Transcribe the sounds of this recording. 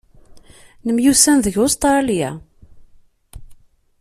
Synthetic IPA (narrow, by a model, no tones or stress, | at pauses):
nəmjusænðəʝost̪ɾˤɑlija̰